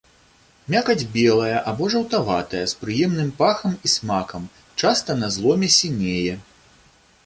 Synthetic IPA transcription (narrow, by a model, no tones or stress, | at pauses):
mʲakɐd͡zʲbʲɛlˠɐjɐʔabɔʐɐwt̪ava̰t̪ɐjɐspɾɨjɛmnɨmpaxɐmismakɐm | t͡ʂast̪ɐnɐzlˠɔmʲɛsʲinʲejɛ